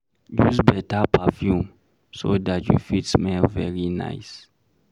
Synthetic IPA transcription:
juzbɛtapʰafjũm | sodatjṵfitsmɛlvɛ̰ɹina̰ɪs

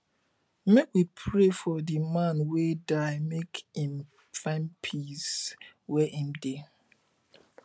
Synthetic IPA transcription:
mekwipʰɹefɔdimãnwedaɪmekhĩm | fãnpʰiswɛʔĩmde

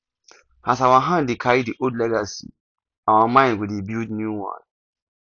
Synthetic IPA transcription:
asawaɦãndekʰaɹidiʔodlɛɡasḭ | awamãɪ̃ndwidibildnjuwɔ̰̃n

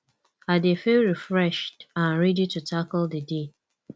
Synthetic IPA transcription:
adefelɹifɹɛʃtãnɹɛditutʰakɔldəde

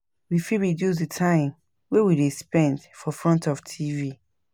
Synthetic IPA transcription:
wifiɹidjus̬ditʰãɪ̃m | wewidespɛ̃ndfɔfɹɔ̃ntɔftʰivi

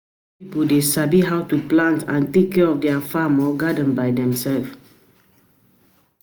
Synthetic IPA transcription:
pipədesabiɦawtuplãntʰãntekːɛɔfdɛafamɔɡadə̃nbaɪdɛ̃msɛlf

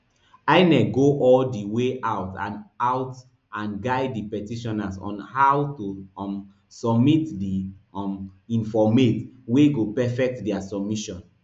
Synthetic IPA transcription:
aɪnɛɡoʔɔldiweʔawtã̰naʊt | ãnɡaɪdːipɛtiʃɔnasɔ̰̃nhawtuɔm | sɔbmitdiɔmĩnfɔmetweɡopɛfɛk̚tdɛasɔb̚miʃɔ̃n

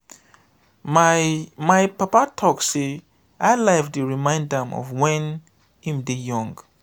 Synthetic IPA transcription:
majpapatʰɔkse | ajlavdɨɹimãj̃ndãmɔ̰vwɛ̃n | hĩmdijɔ̃ŋɡ

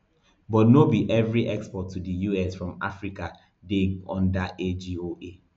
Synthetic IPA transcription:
bɔtnobiʔɛvɹiʔɛkspɔtʰːudəjuɛsfɹɔ̃ma̰fɹika | deɡɔ̰̃ndaʔed͡ʒioʔe

